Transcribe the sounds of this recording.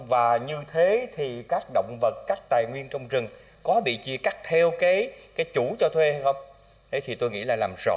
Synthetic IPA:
vaː˨˩ɲɨ˧t̪ʰe˨˦t̪ʰi˨˩kaː˦˥k̚ɗo̰˧˨wŋ͡mvə˨˩t̚kaː˦˥k̚t̪aː˨˩jŋwi˧ənt͡ɕɔ˧wŋ͡mzɨ˨˩ŋ | kɔ˨˦ɓḭ˧˨t͡ɕi˧əka˦˥k̚t̪ʰɛ˧wkaː˨˦jkaː˨˦jt͡ɕu˧˩t͡ɕɔ˧t̪ʰwe˧ha˧jxə˧wŋ͡m | ɗə˨˦jt̪ʰi˨˩t̪o˧jŋḭ˧˥laː˨˩laː˨˩mz̥ɔ̰˧˨

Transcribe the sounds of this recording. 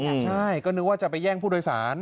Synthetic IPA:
t͡ɕʰa˥˩jkɔː˥˩nɯ˦˥waː˥˩t͡ɕa˨˩pa˧jːɛː˥˩ŋpʰuː˥˩doː˧jsa̰ː˩˦n

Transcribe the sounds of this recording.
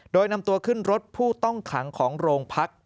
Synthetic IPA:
doː˧jna˧mt̪u˧ɐkʰɯ˥˩nɾo˦˥t̪̚pʰuː˥˩t̪ɔ˥˩ŋkʰa̰˩˦ŋkʰɔː˩˦ŋɾoː˧ŋpʰa˦˥k̚

